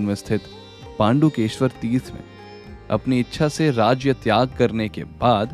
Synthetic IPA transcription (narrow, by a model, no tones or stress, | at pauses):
nʋɪst̪ʰɪt̪ | pãːɳɖukeːʃʋəɾt̪iːsmḛ̃ | ɐ̰pniɪtːʃʰaseɾaːd͡ʒjət̪jaːɡ̚kɐɾnekḛbaːd̪